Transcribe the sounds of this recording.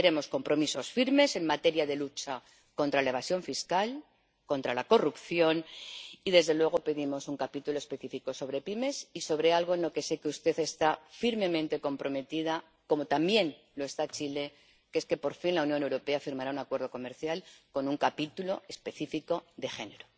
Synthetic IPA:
eɾe̞mo̞sko̞mpɾo̞miso̞sfiɾme̞se̞nmat̪e̞ɾjaðe̞lut͡ʃa | ko̞nt̪ɾalae̞βasjo̞ɱfiskal | ko̞nt̪ɾalako̞rupθjo̞niðe̞zðe̞lwe̞ɣ̞o̞pe̞ðimo̞suŋkapit̪ulo̞espe̞θifiko̞so̞βɾe̞pime̞siso̞βɾe̞alɣ̞oenlo̞ke̞se̞keust̪e̞θe̞st̪afiɾme̞mẽ̞nt̪e̞ko̞mpɾo̞me̞t̪iða | ko̞mo̞t̪ambje̞n | lo̞e̞st̪at͡ʃile̞ | keeske̞po̞ɾfinlaunjo̞ne̞wɾo̞pe̞afiɾmaɾaunakwe̞ɾð̞o̞ko̞me̞ɾθjalko̞nuŋkapit̪ulo̞espe̞θifiko̞ðe̞xe̞ne̞ɾo

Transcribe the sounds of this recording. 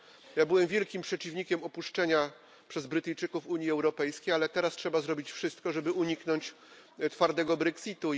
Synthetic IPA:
jabɘwɛmvʲjɛlkʲimpʂɛt͡ɕivɲikʲɛmɔpuʂt͡ʂɛɲa | pʂɛzbɾɘt̪ɘjt͡ʂɘkufuɲjiɛwɾɔpɛjskʲejalɛt̪ɛɾastʂɛbazɾɔbʲit͡ɕfʂɘst̪kɔʐɛbɘuɲiknɔɲt͡ɕ | t̪faɾd̪ɛɡɔbɾɛksʲit̪u

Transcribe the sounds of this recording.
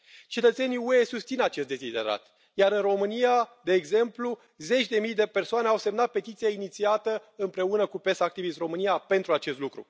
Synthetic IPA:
t͡ʃe̞t̪ət̪se̞niue̞sust̪sinat͡ʃe̞st̪d̪e̞zid̪e̞̰ɾa̰t̪ | jaɾɨnro̞mɨnijad̪e̞ːɡze̞mplu | ze̞t͡ʃʲd̪e̞mijd̪e̞pe̞rsoaneawse̞mnat̪̚pe̞t̪it̪sijainit̪siat̪əɨmpɾe̞unəkupesak̚t̪ivist̪ro̞mɨnijape̞nt̪ɾuat͡ʃe̞st̪lukɾṵ

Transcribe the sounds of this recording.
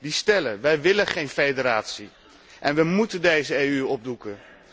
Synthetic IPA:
distɛlənʋɛjʋɪlənχejnfejdəɾaːtsi | ʔɛnʋəmutəndejzəejyɔb̚dukən

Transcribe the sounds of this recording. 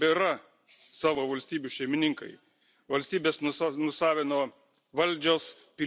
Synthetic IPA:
bʲɛɾɐ | sɑːʋoːʋɐlʲsʲt̪ʲiːbʲuʃʲɛɪmʲɪnʲɪŋkɐ̰ɪ | ʋɐlʲsʲt̪ʲiːbʲeːsnʊnʊsɑːʋʲenoː | ʋɐlʲˑd͡ʒʲoːs | pʲɪ

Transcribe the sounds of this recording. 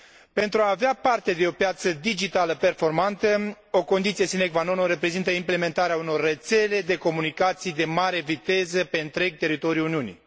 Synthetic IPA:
pe̞nt̪ɾuaːveapart̪e̞d̪e̞o̞pjat̪səd̪id͡ʒit̪aləpe̞rfo̞rmant̪ə | o̞ko̞nd̪it̪sije̞sinekvano̞noɾe̞pɾe̞zint̪əimple̞me̞nt̪aɾeauno̞rːe̞t̪se̞le̞d̪e̞ko̞munikat̪sijd̪e̞maɾe̞vit̪e̞zəpe̞ɨnt̪ɾe̞ɡ̚t̪e̞ɾit̪o̞ɾiuluniunḭ

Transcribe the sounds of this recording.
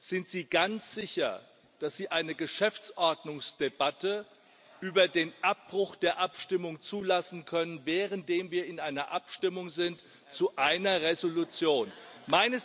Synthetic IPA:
z̥ɪntz̥iːɡant͡sz̥ɪçɐ̰ | d̥asz̥iːʔaɪnəɡəʃɛft͡sʔɔɐdnʊŋsd̥ebatʰə | ʔyːbɐdeːnʔap̚b̥ʁ̥ʊxd̥eːɐʔapʃtɪmʊŋt͡suːlasn̩kʰœnənvɛːʁəntd̥eːmviːɐɪnʔaɪnɐʔapʃtɪmʊŋzɪnt | t͡suʔaɪnɐʁezolut͡sjoːnmaɪnəs

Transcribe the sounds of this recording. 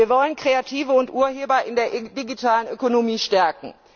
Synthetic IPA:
iːɐvɔlənkʁ̥eatʰiːvəʊntʔuːɐɦeːbɐʔɪndeːɐʔdiɡitʰaːlənʔøkonomiːʃtɛɐkŋ̩

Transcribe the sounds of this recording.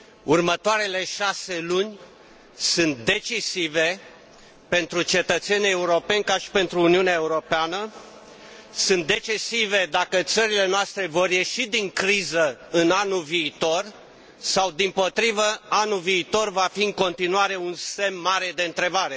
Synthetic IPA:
urmət̪oaɾe̞le̞ʃase̞lunʲ | sɨnt̪̚d̪e̞t͡ʃisive̞ | pe̞nt̪ɾut͡ʃe̞t̪ət̪se̞nʲieuɾo̞pe̞nʲkaʃi̥pe̞nt̪ɾuːniuneae̞uɾo̞peanə | sɨnt̪̚d̪e̞t͡ʃisive̞d̪akət̪səɾile̞noast̪ɾe̞vo̞rje̞ʃid̪iŋkɾizəɨnanuviːt̪o̞r | sawd̪impo̞t̪ɾivəanuviːt̪o̞rvafiɨŋko̞nt̪inuaɾe̞unse̞mːaɾe̞d̪e̞ɨnt̪ɾe̞baɾe̞

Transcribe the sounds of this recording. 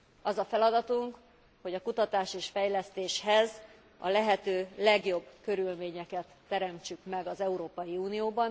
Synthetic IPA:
ɒzɒfɛlɒd̪ɒt̪uŋk | ho̞ɟɒkut̪ɒt̪aːʃeːʃfɛjlɛst̪eːʃhɛz | ɒ̰lɛɦɛt̪øːlɛɡjo̞bːkø̞ɾylmeːɲɛkɛt̪ːɛɾɛmt͡ʃykmɛɡɒzɛuɾoːpɒjiuːnijoːbɒn

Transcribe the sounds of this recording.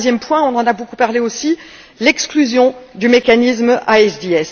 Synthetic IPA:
zjɛmpwɛ̃ɔ̃nɑ̃nabokupaʁleosi | lɛksklyzjɔ̃d̪ymekanismʔaɛsd̪iɛs

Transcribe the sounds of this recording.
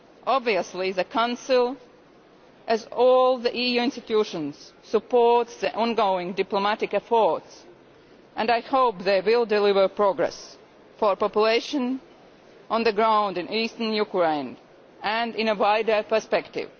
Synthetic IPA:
ʔɑbviəsliðɨkʰãʊ̃nsɪlˠ | ʔɨzɔlˠðiʔijuɪ̃nstɪtʰjuʃə̃nz̥sɨpɔɹtsðiʔɔ̃nɡoʊɪ̃ŋdɪplomæɾɪkɛfɔɹts | ʔɨ̃naɪhoʊpðeɪwɪlˠdɪlɪvə˞pɹɔɡɹɛ̰s | fə˞pɔpjuleɪʃə̃n | ʔə̃nðəɡɹãʊ̃ndɨ̃nʔistənjukɹẽɪ̃n | ɨ̃ndɪ̃nəwaɪdə˞pə˞spɛktɪ̰v̥

